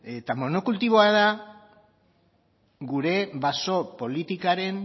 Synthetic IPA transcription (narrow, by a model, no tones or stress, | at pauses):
et̪amo̞nokult̪iβ̞o̞að̞a | ɡuɾe̞βaso̞po̞lit̪ikaɾe̞n